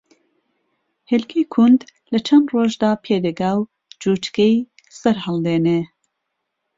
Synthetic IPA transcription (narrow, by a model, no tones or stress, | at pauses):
helkʰijkʰund̪ | lɐt͡ʃʰɐnd̪roːʒd̪aːpʰeːd̪ɐɡaːw | d͡ʒuːt͡ʃkej | sɐɾhɐlˠd̪eːneː